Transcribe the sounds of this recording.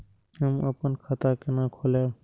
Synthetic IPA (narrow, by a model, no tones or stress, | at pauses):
ɦəməpənkʰət̪akenakʰole